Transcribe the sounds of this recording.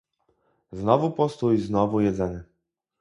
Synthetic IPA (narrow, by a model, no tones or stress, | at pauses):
znɔvupɔst̪ujznɔvujɛd̪zɛnɘ